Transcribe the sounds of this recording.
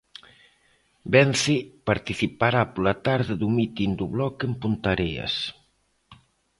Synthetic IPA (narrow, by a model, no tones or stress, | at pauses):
bɛnθipaɾt̪iθipaɾapolat̪aɾðɪðumit̪ind̪uβlɔkempunt̪aɾeɐ̰s